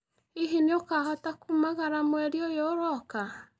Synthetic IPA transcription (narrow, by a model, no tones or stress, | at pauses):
iɦeneokaːhɔtakumaɣaɾamwɛɾiojoːɾɔka